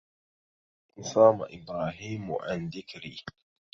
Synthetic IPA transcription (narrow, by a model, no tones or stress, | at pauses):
saːma̰ʔɪbɾaːɦiːmṵʔand̪ɪkɾḭ